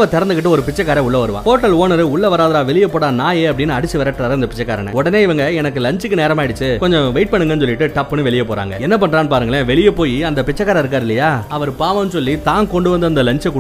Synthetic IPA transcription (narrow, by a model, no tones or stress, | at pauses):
ʋɐt̪ɛɾɐnd̪ɯkɪʈːɯɔɾɯpɪt͡ʃːɐkːaːɾɐ̃ʊɭːɐʋɐɾɯʋã̰ːfoːɾʈːɐloːnɐɾɯʊɭːɐʋɐɾaːðɐɾaːʋɛɭɪjɐpːoːɽaːnaːjeːɐp̬ːɐɽɪnːɯɐɽɪt͡ʃːɯʋɐɾɐʈːɾaːɾɐɪnd̪ɐpɪt͡ʃːɐkːaːɾɐnɛ̰̃ɔɽɐneːɪʋɐŋɡɐɛnɐkːɯlɐɲt͡ʃɯkːɯneːɾɐmaːɪɽɯt͡ʃːɯkɔɲd͡ʒɔ̃ʋɛɪʈ̚pɐɳːɯŋɡɐnːɯs̬ɔlːɪʈːɯʈɐpːɯnːɯʋɛɭɪjɐpoːɾa̰ːŋɡɐɛnːɐpɐɳːɾaːnɯpaːɾɯŋɡɐɭeʋɛɭɪjɐpoːjiɐnd̪ɐpɪt͡ʃːɐk̬ːaːɾɐɪɾɯkːaːɾɪlːɐjaːɐʋɐɾpaːʋɐnsɔlːit̪aːnkɔɳɖɯʋɐnd̪ɯɐnd̪ɐlɐɲt͡ʃɛkːʊ